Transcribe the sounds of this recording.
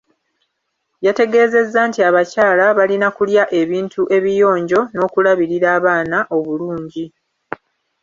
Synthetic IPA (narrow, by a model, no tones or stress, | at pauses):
jate̞ɡe̞ːze̞zːantiaβacaːlaβalinakuljaʔe̞βiːntʰuʔe̞βijo̞ːɲɟo̞no̞ːkulaβiɾiɾaːβaːnaʔo̞βuluːɲɟi